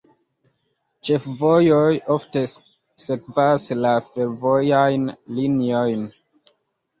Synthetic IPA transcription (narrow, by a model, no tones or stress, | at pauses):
t͡ʃe̞fvojojofte̞ | sekvaslafe̞ɾvojajnliniojn